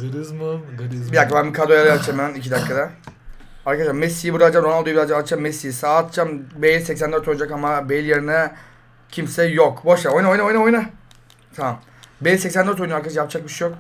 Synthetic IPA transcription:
zzbid̪akːabænbikʰad̪ojalajat͡ʃʰemænicʰid̪akːad̪a | aɾkʰadaʃamɛsijibuɾad͡ʒamɾoald̪obiɾazd͡ʒaat͡ʃamːesijisaːt̪t͡ʃambejilʲsɛcs̬ænd̪øɾt̪ʰo̞j̪d͡ʒakamabejilʲjeɾinɛ | cʰimsɛjokboʃˠamojnaojnaojnaojna | t̪ʰaam | bejilʲsɛcsænd̪øɾt̪ojnaɾkad̪aʃajap̚t͡ʃak̚biʃejok

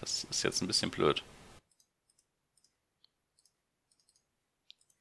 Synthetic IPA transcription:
d̥asɪstjɛ̰t͡stnbɪsçənblø̰ːt

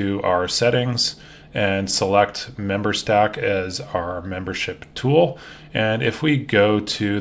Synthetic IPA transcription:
ɨʔaʊə˞sɛɾɪ̃ŋz̥ | ɨ̃nsəlɛk̚t̚mɛ̃mbə˞stækʰɨzaʊə˞mɛ̃mbə˞ʃɪptʰulˠ | ʔɨ̃nɪfwiɡoʊɾɨ

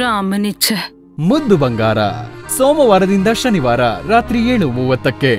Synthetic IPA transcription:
ɾaːmɐnit͡ʃʰɐ | mud̪ʱːubɐŋɡaːɾɐ̰sɔːmɐʋaːɾɐd̪ind̪ɐʃɐniʋaːɾɐɾaːt̪ɾijeːɭumuːʋɐt̪ːɐkːe

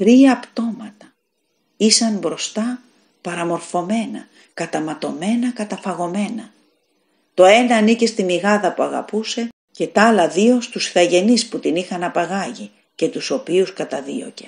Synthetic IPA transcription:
t̪ɾiɐːpt̪o̞mɐt̪ɐ̥ | isɐmbɾo̞st̪ɐ | pɐɾɐmo̞ɾfo̞me̞nɐ̰ | kɐt̪ɐmɐt̪o̞me̞nɐkɐt̪ɐfɐɣo̞me̞nɐ | t̪o̞e̞nɐːnice̞st̪imiɣɐðɐpuɐɣɐ̰puse̞ | ce̞t̪ɐɐlɐðio̞st̪usθɐʝe̞nisput̪inixɐnɐpɐɣɐʝi | ce̞t̪uso̞piuskɐt̪ɐðḭo̞̰ce̞̥

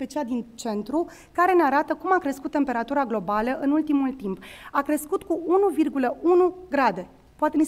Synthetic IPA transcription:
pet͡ʃiald̪int͡ʃe̞nt̪ɾu | kaɾe̞neaɾat̪əkumakɾeskut̪ːe̞mpe̞ɾat̪uɾaɡlo̞baləʔɨnult̪imult̪impakɾe̞skut̪kuunuvirɡuləʔunuɡɾad̪e̞ | poat̪e̞nis

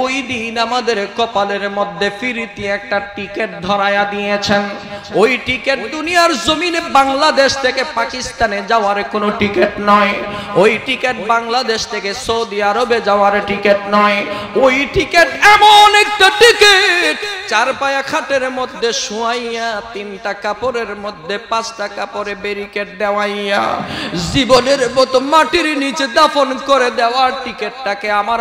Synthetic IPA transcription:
ojd̪inamad̪eɾkɔpaleɾmod̪ʱːefiɾit̪iɛk̚ʈaʈikeʈ̚d̪ʱɔɾajad̪ijet͡ɕʰen | ojʈikeʈ̚d̪unijaɾzominebaŋlad̪eʃt̪ʰekepakist̪aned͡ʑaoaɾkonoʈikeʈnɔjojʈikeʈbaŋlad̪eʃt̪ʰekesoud̪iaɾobed͡ʑaoaɾʈikeʈnɔj | ojʈikeʈɛmonɛk̚ʈaʈikeʈt͡ɕaɾpajakʰaʈeɾmod̪ʱːeʃuajat̪inʈakapoɾeɾmod̪ʱːepat͡ɕʈakapoɾebeɾikeʈ̚d̪ɛwaja̰ziboneɾbɔt̪omaʈiɾnit͡ɕed̪afonkoɾed̪ɛoaɾʈikeʈʈakeamaɾ

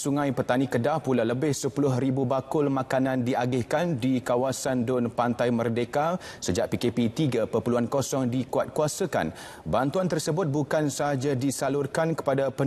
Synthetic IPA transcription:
suŋãjpət̪anĩkədahpulaləbɪhsəpulʊɦribubakʊlmãkanãndiʔaɡɪhkandikawasandʊnpant̪ajmərdekasəd͡ʒaʔ̚pikepit̪iɡapəpəluankosɔŋdikuat̪̚kuasaka̰n | bant̪uant̪ərsəbʊt̪̚bukansəɦad͡ʒadisalʊrkankə̥padapə

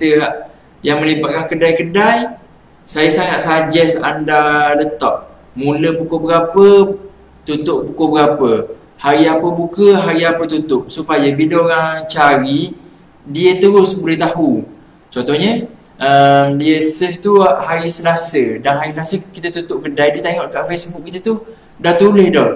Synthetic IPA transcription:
it̪əʔ | jaŋməlibat̪̚kankədajkədaj | sajəst̪aŋaʔ̪̚sad͡ʒɛsa̰ndadət̪ɔʔ̚ | muləpukobəɡapə | t̪ut̪ʊʔpukobəɡapə | haɾiapəbukəɦaɾiapət̪ut̪ʊʔsupajəbidaoɾaŋt͡ʃaɾi | diət̪əɾʊsbulet̪aɦu | t͡ʃɔnt̪ohɲəəmdiəsəht̪uaʔhaɾisəlasədanɦaɾisəlasəkit̪ət̪ut̪ʊʔkədajdiət̪eŋɔʔkaʔfesbʊk̚kːit̪ət̪u | daht̪ulɪhdɔh

